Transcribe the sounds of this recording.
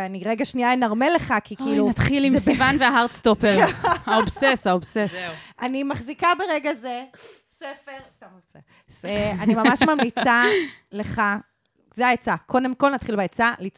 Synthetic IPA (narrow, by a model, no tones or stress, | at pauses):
eaniʁeɡaʃniaenaʁmele̞χakikiːlunat̪χilimsivanveaɦaʁtst̪opeʁhaobsesaobsesʔanimaχzikabeʁeɡaze | sefeʁstamse | sanimamaʃmamit͡saleχa | zeaet͡sakʰo̞demko̞lnat̪χilbaet͡salit͡s